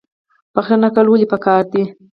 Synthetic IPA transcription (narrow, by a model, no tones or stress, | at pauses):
paxt̪anakalwəlipakɑːɾd̪i